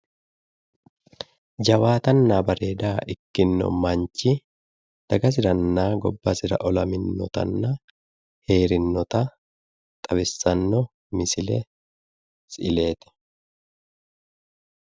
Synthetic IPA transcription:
d͡ʒɐwaːt̪ɐnːabɐɾeːd̪aːʔɪkːɪnːɔ̰mɐɲt͡ʃːɪ | d̪̥ɐɡɐs̬ɪɾɐnːaːɡɔbːɐsɪɾɐ̰ʔɔlɐmɪnːɔt̪ɐ̰nːɐ | he̞ːɾɪnːɔt̪ɐ | t̪ʼɐbɪsːɐnːɔ | mɪsɪlɛ̰ | sɪle̞ːt̪ɛ̥

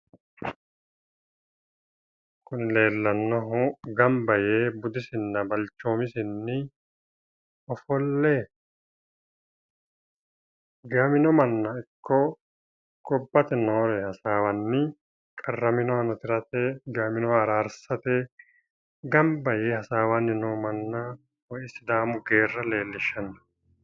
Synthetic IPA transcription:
kʊnɪle̞ːlːɐnːɔɦɔɡɐmbɐjeːbʊd̪ɪsɪnːɐbɐlt͡ʃːo̞ːmɪsɪnːɪ | ɔfɔlːe | ɡamɪnɔmɐnːɐɪkʰːɔ | kʼɔbːɐt̪ɛnoːɾɛhɐsaːwɐnːɪ | kʼɐrːɐmɪnɔɐnɔt̪ɪɾɐt̪eːɡamɪnɔɐɾaːɾsɐt̪e | ɡɐmbɐjeːhɐsaːwanːɪnoːmɐnːɐ | wɔʔɪsɪd̪aːmʊɡe̞ːrːɐle̞ːlːɪʃːɐnɐ̥

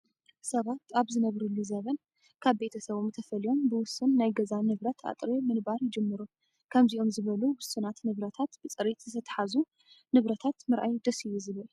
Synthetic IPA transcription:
sɐβat̪aβzɨnɐβɾulːizɐβɐn | kʰaβbe̞t̪ʰɐsɐβomt̪ʰɐfɐlijo̞mbɨwʊsɨnːajɡɐzanɨβɾɐt̪ʰa̰t̪ʼɾimɨnbaɾjɪd͡ʒɨmːɨɾu | kʰɐmziʔo̞mzɨβɐluwʊsɨnat̪nɨβɾɐt̪ʰat̪b̥ɨt͡sʼɨɾit̪z̥ɨt̪ʰɐt̪ʰɐ̥ħazu | nɨβɾɐt̪ʰat̪mɨɾʔa̰jd̪ɐsijuzɨβɐl

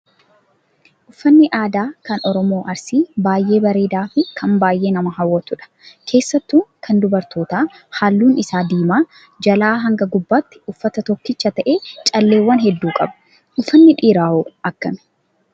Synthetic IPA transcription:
ʔʊfːɐnːɪʔaːd̪aːkɐnɔɾɔmo̞ːʔɐɾsiːbaːjʔe̞ːbɐɾe̞ːd̪aːfɪkʰɐnbaːjʔe̞ːnɐmɐɦɐwːɐt̪ʊᶑɐ̥ | kʰe̞ːsːɐt̪ːuːŋkʰɐnd̪ʊbɐɾt̪o̞ːt̪aː | haːlːuːnɪsaːd̪iːmaː | d͡ʒɐlaːɦɐŋɡɐɡʊbːaːt̪ːɪ̥ʔʊfːɐt̪ɐt̪ɔkːɪt͡ʃːɐt̪ɐʔe̞ːt͡ʃʼɐlːe̞ːwːɐnɦɛd̪ːuːkʼɐbɐ̥ | ʔʊfːɐnːɪᶑiːɾaːhoːʔɐkːɐmɛ̥

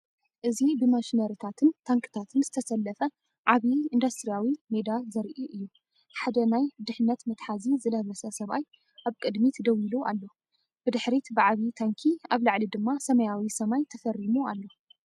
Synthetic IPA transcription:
ʔɨzibɨmaʃnɐɾit̪ʰat̪ʰɨnt̪ʰaŋkʰɨ̥t̪ʰat̪ʰɨnzɨt̪ʰɐsɐlːɐfɐ | ʕaβiind̪ɐst̪ɾijawimed̪azɐɾʔiʔɨjːu | ħad̪ɐnajd̪ɨħnːɐt̪mɨt̪ħazizɨlɐβɐsɐsɐβaj | ʔaβkʼɨd̪mit̪d̪ɐwiluʔalːo̞ | b̥ɨd̪ɨħɾit̪bɨʕaβit̪ʰaŋkʰiaβlaʕlid̪ɨmːasɐmɐjawisɐmajt̪ʰɐfɐrimualːo̞

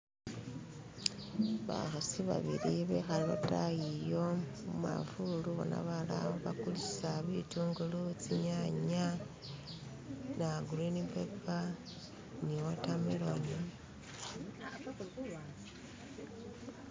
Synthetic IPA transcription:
βa̰xasiβa̰βiɾiβexallotajijo̞muma̰fuluβo̰na̰βala̰βoβakuliʃi̥saβituːŋɡulut͡siɲaɲa | naɡulenipepa | niwotamiloɲi

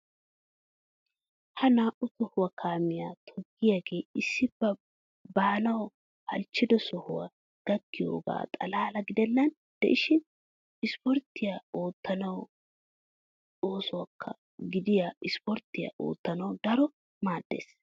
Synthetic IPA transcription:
hɐnaːʔʊsɔhʊwɐkʰaːmɪjaːt̪ʰɔɡːɪjaɡe̞ːɪsːɪb̥ːɐ | baːnɐw | hɐ̰lt͡ʃːɪd̪ɔsɔhʊwɐ̰ | ɡ̪̥ɐɡːɪjo̰ːɡa̰ːt̪ʼɐlaːlɐɡɪd̪ɛnːɐn | d̪̥ɛʔɪʃɪn | ɪspɔɾt̪ːɪjaoːt̪ːɐnɐw | oːsʊwɐkʰːɐ̰ | ɡɪd̪ɪjaːɪspɔɾt̪ːɪja̰ʔo̰ːt̪ːɐnɐwd̪ɐɾɔ | maːd̪ːḛːs

